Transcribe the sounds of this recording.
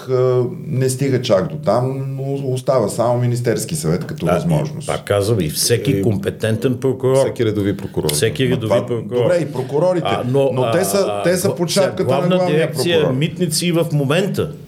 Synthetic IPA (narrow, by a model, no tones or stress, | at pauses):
ənɛst̪iɡət͡ʃakd̪ot̪amnoost̪avəsamominist̪ɛɾskisɐvɛt̪kɐt̪ɔvzmɔ̰ʒno̰spa̰kːazvəvifsɛkʲikompɛt̪ɛnt̪ɛnpɾokʊɾɔɛkiɾɛd̪ovipɾokʊɾɔ̰ɾsɛkiɾɛd̪ovipɾokdʊɾoɔbɾɛipɾokʊɾɔɾiɛnonot̪ɛsət̪ɛsɐpoʃap̚kətɡləavɐɡnəlˠaviɾɛkt̪pɾoijəmit̪nit̪sivəfmomɛnt̪ə